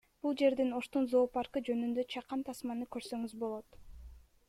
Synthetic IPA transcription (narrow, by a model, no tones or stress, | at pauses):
b̥ulˠd͡ʒe̞ɾd̪ino̞ʃt̪unzo̞ːpɑɾkɯd͡ʒø̞nynd̪ø̞t͡ʃʰɑqɑnt̪ʰɑsmɑnɯkø̞ɾsø̞ŋyzbo̞lˠo̞t̪